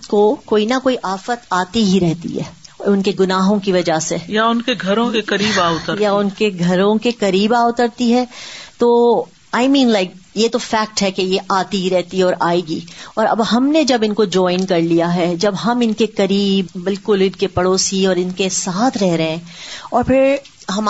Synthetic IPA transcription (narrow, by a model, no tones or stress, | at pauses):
kokoːinɐkoːiʔaːfət̪aːt̪iɦiɾɛɦt̪ḭɦɛ̰ːʊnkeɡʊnaːɦõkiʋɐd͡ʒasejaʊnkeɡʱɐɾõkekɐɾiːbaːʊt̪əɾjaʊnkeɡʱɐɾõkekɐɾiːbaːʊt̪əɾt̪iɦɛːt̪o | aːɪmĩːnlaɪk̚jet̪ofɛːk̚ʈɦɛkejeʔaːt̪iɦiɾɛɦt̪iɦɛɔːɾʔaːeːɡḭːɔːɾɐ̰bɦɐmned͡ʒɐbɪ̃nkod͡ʒɔːɪ̃nkɐɾlijaɦɛd͡ʒɐbɦɐmɪnkekɐɾiːbːɪlkʊlɪɖkepɐɽoːsiɔːɾɪnkesaːt̪ʰɾɛɦɾɐɦɛ̃ːɔːɾpʰɪɾɦɐm